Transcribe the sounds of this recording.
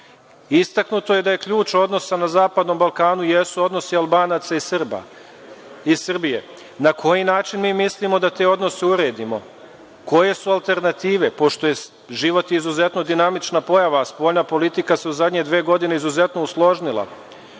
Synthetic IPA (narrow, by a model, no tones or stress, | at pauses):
ist̪aknut̪o̞je̞d̪aje̞kʎuːt͡ʃo̞d̪no̞sanazaːpad̪no̞mbalkaːnuje̞suo̞d̪no̞sialˠbaːnat̪saisrba̰ | isrbije̞ | nakʰo̞jinaːt͡ʃinmiːmislimo̞d̪at̪e̞o̞d̪no̞seuɾe̞ːd̪imo̞̰ | ko̞je̞sualˠt̪e̞ɾnat̪iːʋe̞po̞ʃt̪o̞je̞ | ʒiʋo̞t̪iizuze̞t̪no̞d̪inamit͡ʃnapo̞jaʋaːspo̞ːʎnapo̞lit̪ikase̞uzad̪ɲe̞d̪ʋeːɡo̞d̪ineizuze̞t̪no̞uslˠo̞ʒnilˠa̰